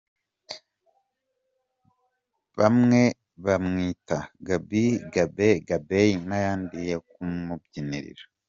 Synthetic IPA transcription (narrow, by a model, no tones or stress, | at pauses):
βamŋe̞ | βamŋiːtaɡabiɡabeɡabejinajaːndijekumubɟinḭɾḭɾa